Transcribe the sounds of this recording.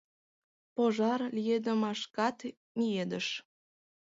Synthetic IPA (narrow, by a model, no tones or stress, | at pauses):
poʒɑrlijed̪ə̆mɑʃkɑt̪ | mʲied̪əʃ